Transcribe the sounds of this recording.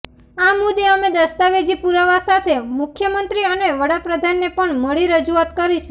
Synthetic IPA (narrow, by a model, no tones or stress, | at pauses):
amud̪eəmed̪əst̪aʋed͡ʒipuɾəʋasat̪ʰemʊkʰjəmənt̪ɾiəneʋəɽapɾəd̪ʱanːepəɳməɭiɾəd͡ʒuat̪kəɾiʃu